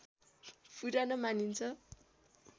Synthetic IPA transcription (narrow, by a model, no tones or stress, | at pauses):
pʰuɾanʌmanint͡sʰʌ